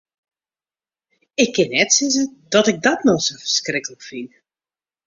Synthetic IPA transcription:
ɪkːɪnːɛtsɪzədɔtɪɡ̚dɔtnosowfərskrɪkələkfin

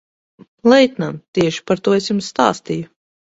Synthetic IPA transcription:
lˠɛjt̪namt̪iɛʃi̥paɾt̪uɔesjumsːt̪a̰ːst̪iju

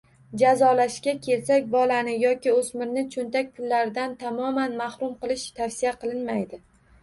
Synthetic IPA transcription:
d͡ʒazɒlaʃkʲakʲʰe̞lsakʲbɒlanɪjɒkʲɪɵsmɪɾnɪt͡ʃʰʊnt̪ak̚ʲpʰʊlːaɾɪd̪ant̪ʰamɒmanmahɾʊmqɨlˠɪʃt̪ʰafsijaqʰɨlˠɪnmajd̪ɪ

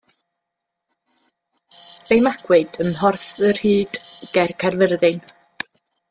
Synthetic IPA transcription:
v̥ejmaɡ̥wɨd̥ənɦɔrθərhiːd̥ɡ̥ɛrkʰɛrvərðɪn

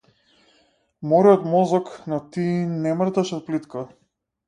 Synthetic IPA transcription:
mɔɾiɔt̪mɔzɔknɔt̪inɛmr̩t̪aʃɛfplit̪ka

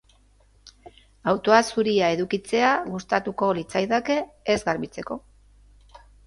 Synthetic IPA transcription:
awt̪o̞asuɾiae̞ðukit͡se̞aɣust̪at̪uko̞lit͡sajðake̞ːzɡaɾβit͡se̞ko̞

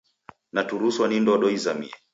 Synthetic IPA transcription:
natuɾuswanindɔɗɔizamḭɛ

